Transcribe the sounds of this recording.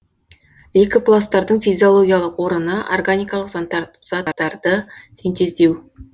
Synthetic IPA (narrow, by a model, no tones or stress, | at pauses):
ekʲɪplˠast̪ɑɾd̪əɴfijzʲio̞lˠo̞ɡʲijalˠəqwo̞ɾənəʔorɡanijkalˠəq̪z̥ɑd̪ɑɾd̪ət̪ʲʰent̪e̞zd̪e̞w